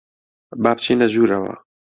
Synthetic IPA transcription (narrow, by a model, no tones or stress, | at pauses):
baːpt͡ʃʰeːnɐʒuːɾɐwɐ̰